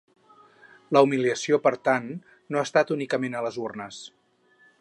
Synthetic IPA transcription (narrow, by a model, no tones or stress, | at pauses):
ləumiliəsiopəɾt̪anː | oaːst̪at̪unikəmenələzurnəs